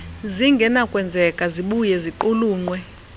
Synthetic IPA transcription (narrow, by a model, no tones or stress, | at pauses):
ziŋɡʱɛnakʼwɛnd͡zʱɛkʼaziɓujɛziǃuluːŋ͡ǀwɛ